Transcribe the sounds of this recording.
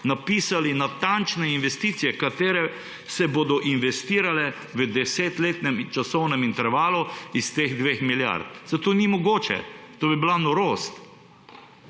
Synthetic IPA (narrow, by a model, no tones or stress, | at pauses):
napiːsalinat̪ant͡ʃnɛinʋɛst̪it̪sijɛkat̪eːɾɛ | sɛboːd̪ɔʔinʋɛst̪iːɾalɛ | ʋəd̪ɛseːt̪leːt̪nɛmt͡ʃasɔwnɛmint̪ɛɾʋaːluist̪eɣd̪ʋexmilja̰ɾt̪̚zat̪oːnimɔɡoːt͡ʃɛ̰t̪oːbibilanɔɾoːst̪